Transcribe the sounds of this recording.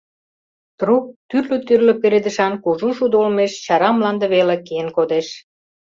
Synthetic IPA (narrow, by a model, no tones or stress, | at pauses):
t̪ɾuk̚t̪yrlø̆t̪yrlø̆peɾed̪ə̆ʃɑnkuʒuʃud̪olmeʃt͡ɕɑɾɑmlɑnd̪ə̆βelekeənkod̪eʃ